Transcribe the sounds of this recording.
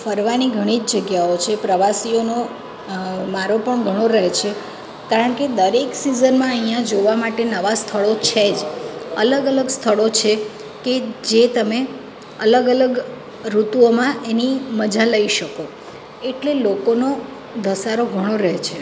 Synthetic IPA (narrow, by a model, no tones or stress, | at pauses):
fəɾʋaniɡʱəɽ̃id͡ʒd͡ʒəɡjaot͡ʃʰepɾəʋasiono | maɾopəɳɡʱəɽ̃oɾəɦt͡ʃʰe | kaɾəɳked̪əɾeksizənmãəɦijãd͡ʒoʋamaʈenəʋast̪ʰəɭot͡ʃʰed͡ʒə̰ləɡələɡst̪ʰəɭot͡ʃʰe | ked͡ʒet̪əme | ələɡələɡ | ɾut̪uomãʔeniməd͡ʒaləiʃəko | eʈlelokono | d̪ʱəsaɾoɡʱəɽ̃oɾəɦt͡ʃʰe